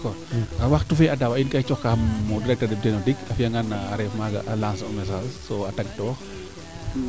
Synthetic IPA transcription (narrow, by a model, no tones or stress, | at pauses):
kɔ | ɐwaxtufɛɐdɐwɐinkɐt͡ʃɔxkaxːɔdiɾɛk̚tɐdɛdɛnodikɐfijɐŋɡanːɐːɾɛfmaɡɐ̰ʔɐlaːnsɐmɛs̬alsɔɐtɐɡ̚tɔːx